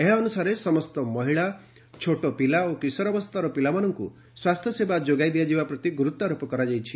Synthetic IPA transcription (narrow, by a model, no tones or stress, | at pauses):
eɦɔnusaɾesɔmɔst̪ɔmɔɦiɭa | t͡ʃʰoʈopilaokisɔɾɔbɔst̪ʰaɾɔpilamanɔŋkṵ | swast̪ʰjɔsebad͡ʒoɡajd̪iad͡ʒibapɾɔt̪iɡuɾut̪ːaɾopɔkɔɾad͡ʒajt͡ʃʰi̥